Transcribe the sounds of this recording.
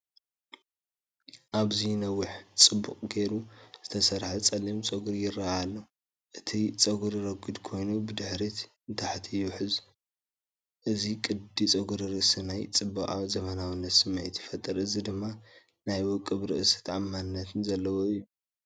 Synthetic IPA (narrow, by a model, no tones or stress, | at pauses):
ʔaβzinɐwːʊħt͡sʼɨbːukʼɡe̞ɾuz̥ɨt̪ʰɐsɐɾħat͡sʼɐlimt͡sʼɐɡuɾjɪrːaalːɐw | ʔɨt̪ʰit͡sʼɐɡuɾɨɾɐɡɨd̪kʰo̞jnubɨd̪ɨħɾit̪ | ɨnt̪ʰaħt̪ʰijuħɨz | ʔɨzikʼɨd̪it͡sʼɐɡuɾɾɨʔsɐnajt͡sʼɨbːakʼazɐmɐnawɨnːɐt̪sɨmːet̪ʰjɪfɐt̪ʼːɐɾʔɨzid̪ɨmːa | najwɔkʼːɨβɾɨʔsɐ̥t̪ʰʕamːanɨnːɐt̪ʰɨnzɐlːɐwoɨjːu